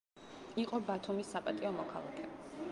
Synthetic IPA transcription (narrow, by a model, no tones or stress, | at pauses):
iqʼɔbat̪ʰumisːapʼat̪ʼiɔmɔkʰalˠa̰kʰɛ